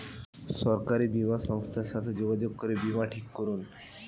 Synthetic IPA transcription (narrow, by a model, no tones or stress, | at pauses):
ʃɔɾkaɾibimaʃɔŋst̪ʰaɾʃat̪ʰed͡ʑoɡad͡ʑoɡ̚koɾebimaʈʰikːoɾun